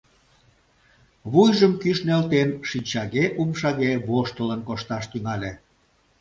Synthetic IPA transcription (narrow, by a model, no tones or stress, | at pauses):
βujʒəmkyʃnelt̪enʃinʲt͡ɕɑɣeʔumʃɑɣeβoʃt̪ələnkoʃt̪ɑʃt̪yŋɑlʲe